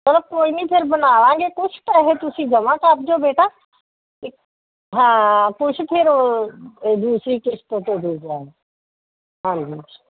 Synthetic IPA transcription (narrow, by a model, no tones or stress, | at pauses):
tɐɾəb̚koːinipʰɪɾbɐnaːʋãːŋɡekʊt͡ʃʰt̪aːɦet̪ʊsĩd͡ʒɐmãkaːp̚d͡ʒoːbeːʈa | ɦãːkʊt͡ʃʰp̪ʰeɾo | d̪uːsɾikest̪õt̪od̪ʱuːd͡ʒaːɦe | ɦãːnd͡ʒi̥ː